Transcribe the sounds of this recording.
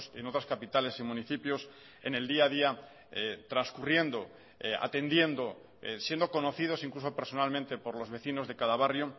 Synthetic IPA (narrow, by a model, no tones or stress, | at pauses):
seno̞t̪ɾaskapit̪ale̞simũniθipjo̞s | e̞̰ne̞ld̪iað̞ia | t̪ɾanskurje̞nd̪o̞ | a̰t̪e̞nd̪je̞nd̪o̞ | sje̞nd̪oko̞no̞θið̞o̞siŋkluso̞peɾso̞nalmẽnt̪e̞po̞ɾlo̞zβe̞θino̞zðe̞kaðaβarjo